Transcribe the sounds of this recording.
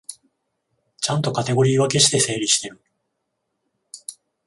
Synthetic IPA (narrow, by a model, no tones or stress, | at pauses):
t͡ɕãnt̪o̞kat̪e̞ɡo̞ɾʲiːβake̞ɕi̥t̪e̞se̞ːɾʲiɕi̥t̪e̞ɾɯ̟